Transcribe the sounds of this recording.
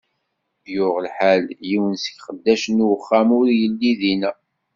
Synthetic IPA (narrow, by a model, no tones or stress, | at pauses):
jʊʁəlħæljiwənsə̥çχəd̪ːæʃənwəχːæmʊɾjəlːiðinæ